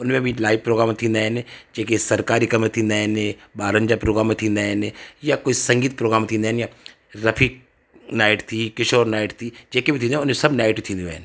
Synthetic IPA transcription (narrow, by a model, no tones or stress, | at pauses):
ʊnmẽbʱilaːɪʋpɾoːɡɾaːmt̪ʰinaːjned͡ʒeːkesɐɾkaːɾikɐmet̪ʰinaːjnebaːɾəɲd͡ʒapɾoːɡɾaːmet̪ʰinaːjnejakoːisɐ̃ŋɡiːt̪̚pɾoːɡɾaːmt̪ʰinɛːnja | ɾɐfʰik | naːɪʈt̪ʰikɪʃoːɾnaːɪʈt̪ʰid͡ʒeːkebʱit̪ʰĩneʊnmẽsɐbnaːɪʈit̪ʰĩnd̪iʋɛ̰ːn